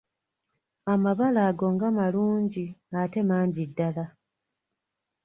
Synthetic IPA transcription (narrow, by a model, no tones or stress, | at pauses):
amaβalaːɡo̞ŋɡamaluːɲɟiate̞maːɲɟidːala